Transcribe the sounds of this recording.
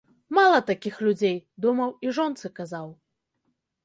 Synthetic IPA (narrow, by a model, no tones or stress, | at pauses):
malˠɐt̪akʲixlʲud͡zʲejd̪umɐwiʐɔnt̪sɨkazaw